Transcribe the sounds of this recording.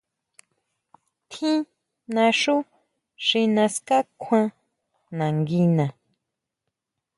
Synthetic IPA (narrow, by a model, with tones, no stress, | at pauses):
t̪ʰĩ˦ | nã˧ʂu˦ | ʂi˧nã˧ska˦kʷʰwã˧ | nã˨ŋɡi˧nã˨